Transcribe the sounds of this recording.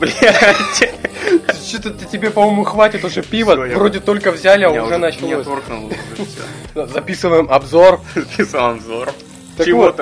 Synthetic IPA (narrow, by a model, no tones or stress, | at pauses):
blʲtʲɪ | t͡ɕːot̪ət̪ətʲɪbʲepɐmo̞jmʊxvatʲɪt̪ʊʐɛpʲivəvro̞dʲɪt̪o̞lʲkəvzʲælʲɪaʊʐɛnɐt͡ɕɪlosorknʊlˠ | zɐpʲisɨvəjɪmɐbzo̞rzɐpʲisəmɐbzor | t̪əkɪvoot̪